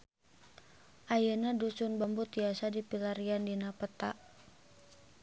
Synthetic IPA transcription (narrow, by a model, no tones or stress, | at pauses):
ʔajənadusʊnbambut̪iasadipilaɾiandinapət̪a̰ʔ